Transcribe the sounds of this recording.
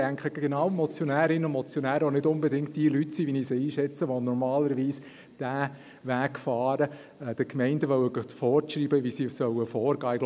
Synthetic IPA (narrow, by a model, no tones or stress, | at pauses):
æŋkχəɡɡenɑwmɔt͡sjɔnæːɾɪnəʊmɔt͡sjɔnæːɾəonɪdʊnbedɪŋkt̚d̥iəlytsiʋiniseiːʃɛt͡səʋonɔɾmɑːləɾʋiːs | d̥æː | ʋækfɑːɾə | ɛd̥əkmɛɪndəʋœwəɡɑtfɔːɾʃriːbəʋisisœwəfɔːɾɡ̥ɑːɪɡl